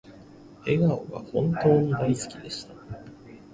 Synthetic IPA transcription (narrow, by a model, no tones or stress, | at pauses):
e̞ɡaoɡa̰hõ̞nt̪o̞ːɲ̟id̪aisɨ̥kʲid̪e̞ɕi̥t̪a